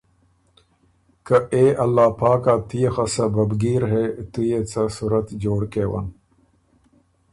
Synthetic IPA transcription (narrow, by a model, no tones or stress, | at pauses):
kəʔeːɐlːaːpaːkaːt̪ʰijexɐsɐbɐbɡiːɾɦeːt̪ujet͡sɐsuɾɐt̪d͡ʑoːɽkeːwɐ̰n